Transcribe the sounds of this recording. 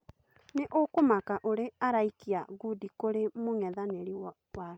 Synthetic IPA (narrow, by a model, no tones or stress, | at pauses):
neʔokomakaʔoɾeaɾaikiaɡudikoɾemoŋɛðaneɾiwɔ | wa